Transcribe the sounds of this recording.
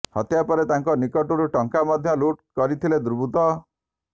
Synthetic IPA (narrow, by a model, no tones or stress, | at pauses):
hɔ̰t̪japɔɾet̪aŋkɔnikɔʈɔɾuʈɔŋkamɔd̪ʱjɔluʈkɔɾit̪ʰiled̪uɾbut̪ɔ